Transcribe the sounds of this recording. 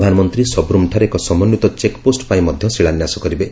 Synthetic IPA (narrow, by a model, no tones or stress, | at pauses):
d̪ʱanɔmɔnt̪ɾisɔbɾumʈʰaɾeekɔsɔmɔnjut̪ɔt͡ʃekposʈpaĩmɔd̪ʱjɔsiɭanjasɔkɔɾibe